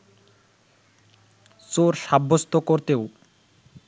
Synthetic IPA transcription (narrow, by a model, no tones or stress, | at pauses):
soɾʃabːost̪okoɾt̪ew